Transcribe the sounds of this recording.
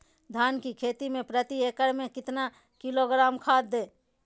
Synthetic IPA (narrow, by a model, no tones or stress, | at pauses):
d̪ʱaːnkikʰeːt̪imẽpɾət̪ieːkəɽmẽkɪt̪na | kɪloɡɾaːmkʰaːd̪̚d̪eː